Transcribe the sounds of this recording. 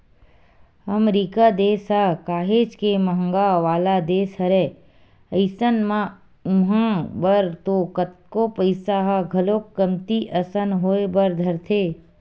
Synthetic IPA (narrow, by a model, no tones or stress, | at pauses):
əmɾiːkad̪eːsɦakaːɦeːd͡ʒkemɐɦəŋɡaʋaːlad̪eːsɦɐɾeː | əɪsənmã | ʊ̃ɦãbəɾt̪okət̪̚kopəɪsaɦaɡʱɐloːkːəmt̪iʔɐsənɦoːebəɾd̪ʱɐɾt̪ʰeː